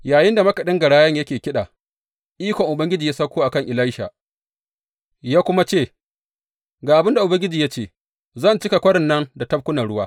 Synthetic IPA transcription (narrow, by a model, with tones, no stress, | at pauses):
jaː˨jɪ˦nda˨mɐ˦kɐ˨ɗɪ˦ŋɡɐ˨ɽaː˦jɐ˦ɲjɐ˦kʲeː˨kʲɪ˦ɗa̰ː˨ | ʔiː˦kʷɔ˨ŋʔʊ˨bɐ˦ŋɡʲɪ˦d͡ʒiː˨ja˦sɐ˦kʷoː˦ʔa˨kɐ˦˨ŋʔɪ˨la˦jʃa̰ː˨ | jaː˦kʷʊ˦ma˦t͡ʃeː˦˨ | ɡaː˨ʔa˨bɪ˦nda˨ʔʊ˨bɐ˦ŋɡʲɪ˦d͡ʒiː˨ja˦t͡ʃeː˦˨ | zɐ˦˨nt͡ʃɪ˦ka˨kʷɐ˦ɽɪ˨nːɐ˦nda˨tɐ˦b̚kʷʊ˦nɐ˨ɽʊ˦waː˦